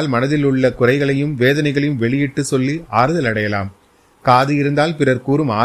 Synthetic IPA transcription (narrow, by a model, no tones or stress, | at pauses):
lmɐnɐðɪlɯɭːɐkʊrɐɪɣɐɭɐjɯmʋeːðɐnɐɪɣɐɭɐjɯmʋɛɭɪjɪʈːɯsɔlːiaːɾɯðɐlɐɽɐjɐla̰ːm | kaːðɯjɪɾɯnd̪aːlpɪrɐɾkuːɾɯmaː